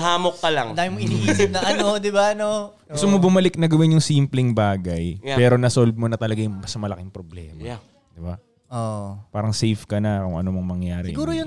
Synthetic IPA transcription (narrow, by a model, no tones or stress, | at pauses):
ɦaːmokːɐlaŋd̪aːjɪmoʔɪniːʔisɪp̚nɐʔɐnod̪ɪbanoɡʊst̪ʊmobʊmɐlɪk̚nɐɡɐwɪnjʊŋsimplɪŋbaːɡɐjpɛːɾo̞nɐsolb̪̚monɐt̪ɐlɐɡajʊŋbɐsɐmɐlɐkɪŋpɾoblɛ̰ːmɐ | d̪̥ɪba | ʔoʔpaːɾɐŋsɛjfkɐnɐkʊŋʔɐ̰nomɐŋmɐŋjaːɾɛɪɡuːɾojʊ